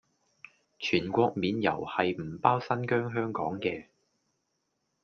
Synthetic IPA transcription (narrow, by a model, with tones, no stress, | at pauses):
t͡ʃʰyː˨˩nkʷɔː˧k̚miː˨˧njɐ̰˨˩whɐ˨jm̩˨˩paː˥wsɐ˥nkœː˥ŋɦœː˥ŋkɔː˨˥ŋkɛː˧